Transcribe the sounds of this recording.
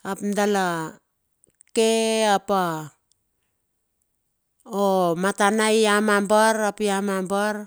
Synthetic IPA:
apndala | keapa | omatanajamambaɾapiamambaɾ

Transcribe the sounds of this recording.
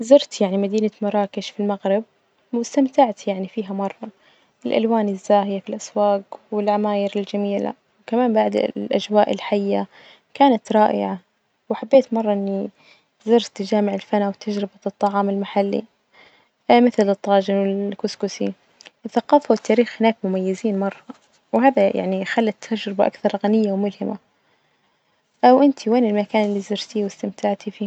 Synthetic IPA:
zɑɾt̪jaʕnimad̪iːnamɑɾˤɑːkɪʃfilmaɣɾɪb̚ | wɪst̪amt̪aʕt̪jaʕnifiːɦamɑrˤːɑ | ʔɪlʔa̰lwaːnɪzːaːɦɪjafilʔaswaːɡwɪlʕamaːjɪɾɪld͡ʒamiːla̰ | wkamaːnbaʕd̪lʔad͡ʒwaːʔɪlħajːa | kaːnat̪ɾˤɑːʔɪ̰ʕa | wɪħabːeːt̪mɑrˤːɑʔɪnːi | zɪɾt̪ɪd͡ʒaːmɪʕɪlfanawt̪ʰːad͡ʒɾɪbaɨt̪ˤːɑʕɑːmɪlmaħalːḭ | mɪθlɨt̪ˤːɑːd͡ʒɪnwɪlkʊskʊsi | ɪθːaqɑːfawɪt̪ʰːaːɾiːxhɪnaːkmʊmajːɪziːnmɑrˤːɑ | whaːðajʔa̰ʕnixalːat̪ʰːad͡ʒɾɪbaʔa̰kθɑɾˤɣanɪjːawmʊlhɪma | ʔawʔɪnt̪ʰiweːnɪlmakaːnlːiːzɪɾt̪iwɪst̪ɪmt̪aʕt̪ifiː

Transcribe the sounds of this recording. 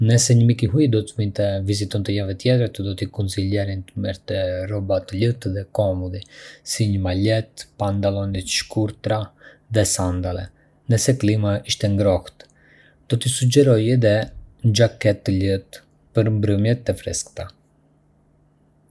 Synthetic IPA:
nəsɛɲəmikiɦujd̪ɔt̪əvint̪əvizit̪ɔnt̪əjavɛt̪jɛt̪ɾat̪əd̪ɔt̪ikɔnt͡silɛɾint̪mɛɾt̪ɛrɔbat̪ələt̪ðɛkɔmɔd̪isiɲəmalɛt̪pand̪alˠɔnit̪ʃkuɾt̪ɾa | ðɛsand̪alɛ̰ | nəsɛklimaiʃt̪ɛŋɡɾɔht̪ | d̪̥ɔt̪isud͡ʒɛɾɔjɛd̪ɛnd͡ʒakɛt̪ːələt̪ | pəɾmbɾəmjɛt̪ːɛfɾɛskt̪a

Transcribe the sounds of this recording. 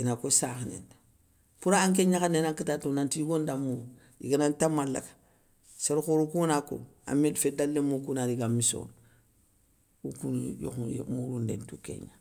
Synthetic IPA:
inakosaːxinḛnda | fuɾaːŋk̬eɲakanenaŋkitatunantiɡondamːu | jḭɡanantamːalːa̰kḁ | seɾxoɾukunako̰a̰medfedalːemːokunaɾiɡamːiso̰n | ukunjo̰xṵmuɾundḛntukḛɲa̰

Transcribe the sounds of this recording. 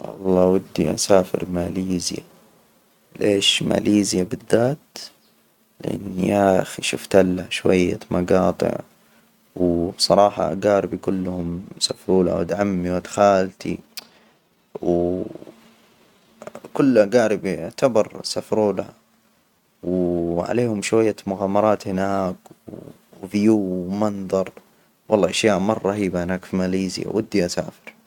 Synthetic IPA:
ʔɑ̰lˤːɑːwad̪ːiʔa̰saːfɪ̰ɾmaliːzɪja̰ | leːʃma̰liːzjabɪðːaːt̪ | lɪʔa̰nːiʔaʔxiʃʊft̪alːaʃwajːamɑɡɑːt̪ˤɨ̰ʕ | wbsˤɑɾˤɑːħɑ̰ʔaɡaːɾɪbikʊlːhʊmsafɾuːla̰wad̪ʕamːiwad̪xaːlt̪ʰi | w | kʊlːʔaɡaːɾɪbiʕt̪abɑɾˤsafɾuːla | wʕa̰leːhʊmʃwajːamʊɣaːmɑɾˤɑːt̪hɪnaːk | vjuːwmɑnðˤɑɾˤ | wɑlˤːɑːʔaʃjaːʔmɑrˤːɑɦiːbahɪnaːkfimaːliːzɪ̰a̰wʔad̪ːiʔasa̰ːfɪ̥ɾ

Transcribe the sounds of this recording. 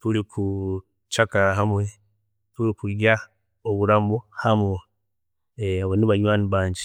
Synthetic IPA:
tuɾikʰu | t͡ʃakaaɦamwe̞ | tuɾikua | oβuɾambohamo | aβoniβaɲwaːniβaːɲɟi

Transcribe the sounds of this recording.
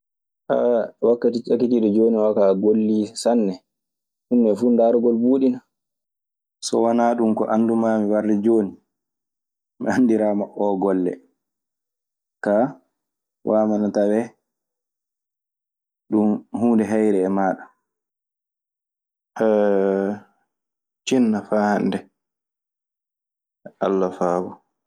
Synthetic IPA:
ʔa̰wakːatit͡ʃakːitiɗɔd͡ʒoːniwakaɡolːisanːɛ | ʔumːɛfuːndaːɾɔɡɔlbuːɗina | sɔ̰wanaɗumkɔ̰ʔanːdumamiwarːɛd͡ʒoːni | mianːdiɾamaʔɔɡɔlːɛ̰ | ka | wʔaːmanatawɛ | ɗumhuːndɛɦajɾɛːmaːɗa | ɛ | t͡ʃinːafaːhandɛ | ʔa̰lːafaːbɔ

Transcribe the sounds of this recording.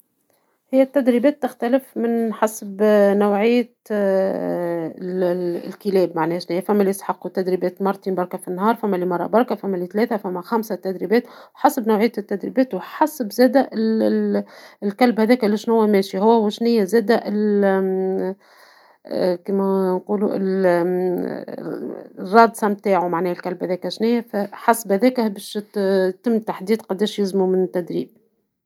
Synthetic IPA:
hɪjːæt̪ːæd̪ɾibɛːt̪ːɪxt̪ælɪfmɪnħasbnawʕɪjːæt̪ | lkilɛːbmaʕnɛːʃnhɪjːæfæmːælisħɑqːwt̪ːæd̪ɾibɛːt̪mɑɾˤt̪iːnbɑɾˤkɑfinːhɑːɾˤfæmːælimɑrˤːɑ̰bɑɾˤkæfæmːælit̪lɛːθæfæmːæxæmsæt̪æd̪ɾibɛːt̪wħɑsbnawʕɪjæt̪t̪ːæd̪ɾḭbɛːt̪wħɑsbzɛːd̪æʔɪ | lkælbhæðɛːkʔlːiʃnʊwːæmɛːʃiɦʊwːæwɪʃnɪjːæzæːd̪æʔɪl | kiːmænquːluʔɪ̰l | rˤːɑːd̪sˤɑmt̪aːʕumaʕnɛːhælkælbhæðɛːkæʃnɪjːæfæħɑsbhæðɛːkæbɛːʃt̪ːɪmːt̪aħd̪iːd̪qɑd̪ːɛːʃjɪzmumɪnt̪ːæd̪ɾiːb̚

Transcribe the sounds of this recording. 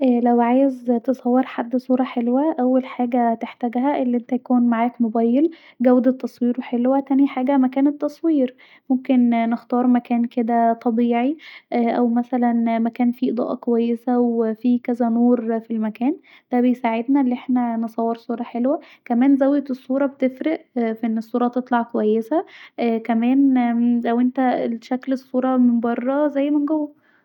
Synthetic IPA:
ʔæːlæwʕaːjezt̪esˤɑwːeɾħad̪ːsˤuːɾˤɑħelwæʔæwːælħaːɡæt̪eħt̪æɡhæʔelːiʔent̪æjækuːnmaʕaːkmobæːjːel | ɡæwd̪et̪ːɑsˤwiːɾwħelwæt̪æniħaːɡæmækæːnet̪ːɑsˤwiːɾ | momkennext̪ɑːɾˤmækæːnked̪æt̪ˤɑbiːʕiʔʔæwmæsælænmækæːnfiʔed̪ˤɑ̰ːʔɑ̰kowæjːesæwefiːkæzænoːɾfilmækæːn | d̪̥æbejsaʕed̪nælːiʔeħnænesˤɑwːeɾsˤuːɾˤɑħelwæ | kæmæːnzæwːet̪esˤːuːɾˤɑbet̪efɾeʔfiʔenːesˤːuːɾˤɑt̪et̪ˤlɑʕkowæjːesæʔkæmæːnlæwʔent̪æʃæklesˤːuːɾˤɑmembɑrˤːɑzæjːmenɡowːæ

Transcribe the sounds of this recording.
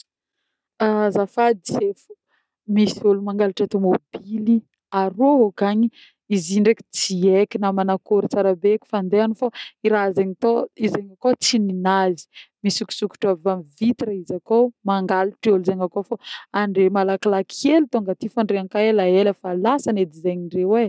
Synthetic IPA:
azafad̪isefu̥ | misulumaŋɡaliʈ͡ʂat̪omobili | aɾookaɲi | iziɳɖ͡ʐeki̥t͡siekinamanakoɾit͡saɾabekʲi̥fand̪eanifaiɾazeɲit̪oizeɲakot͡sininazi̥misuku̥suku̥ʈ͡ʂavamivit̪iɾəizakomaŋɡaliʈ͡ʂolizaŋakofaaɳɖ͡ʐemalakalakʰielit̪oŋɡat̪ifaɳɖ͡ʐeaŋkaelaelafalasaned̪izeɲiɳrewe

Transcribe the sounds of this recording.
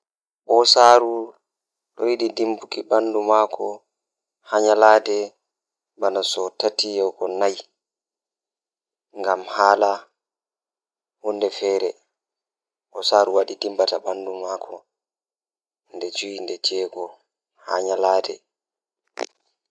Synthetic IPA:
ɓɔsaːɾu | ɗɔwiɗidimbukiɓandumaːkʰɔ | haɲalaːdɛ | banasɔtatijɔkɔnaj | ŋɡamhaːla | hundɛfɛːɾɛ | ɓɔsaːɾuwaɗidimbataɓandumaːkʰɔ | ndɛd͡ʒujindɛd͡ʒɛːɡɔ | ha̰ɲalaːdɛ

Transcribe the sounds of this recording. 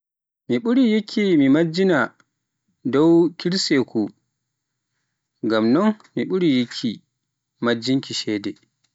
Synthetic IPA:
miɓuɾijikʰːimimad͡ʒina | dɔwkiɾsekʰu | ɡamnɔnmiɓuɾijikʰːi | mad͡ʒiŋkiʃɛːdɛ

